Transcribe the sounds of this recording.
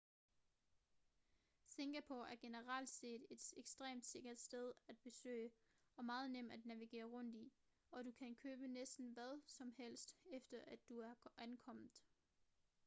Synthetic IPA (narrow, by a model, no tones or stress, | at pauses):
se̝ŋɡ̥æpʰoæɐɡ̥e̝nəʁal̰d̥se̝̰ːd̥e̝d̥eɡ̥sd̥ʁɛ̰ːmd̥se̝ɡ̥ɐd̥sd̥eð̞ˠæd̥̚b̥e̝sø̰ɪ̰ə | ɒ̽mɑ̈ːð̞̩ˠnem̰dæd̥næʋiɡ̥e̝̰ːɐʁɔ̽n̰d̥i | ɒ̽ɾukʰænkʰøːb̥ənesd̥n̩ʋæð̞ˠsɒ̽mhel̰sd̥efd̥ɐʔæd̥ːuæɐʔænkʰɒ̽m̰ð̩ˠ